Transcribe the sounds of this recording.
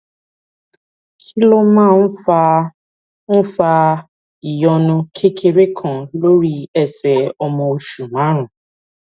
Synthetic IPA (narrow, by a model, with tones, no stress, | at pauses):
kʰi˦lo˦mã˦˨n̩˦fa˦ | n̩˦fa˦ | i˨jɔ˦nʊ̃˦kʰe˦kʰe˦ɾe˦kʰɔ̃˨lo˦ɾi˦ɛ˨sɛ˨ɔ˦mɔ˨o˦ʃu˨ma˨˦ɾʊ̃˨